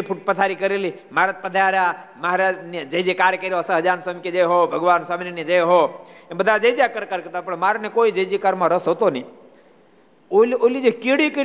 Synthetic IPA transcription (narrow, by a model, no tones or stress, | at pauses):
ipʰuʈ̚pət̪ʰaːɾikəɾeli | maɾət̪̚pəd̪ʱaɾamaɦɾad͡ʒnd͡ʒəd͡ʒekaːɾkəɾiosəɦəd͡ʒaːnsəmked͡ʒejɦobʱəɡʋaːnsamnened͡ʒejɦoebəd̪ʱad͡ʒəjd͡ʒjakəɾkəɾkət̪apəɳmaːɾnekoːid͡ʒəd͡ʒikaɾmãɾəsɦoːt̪onĩː | ololid͡ʒekiɽikəɾ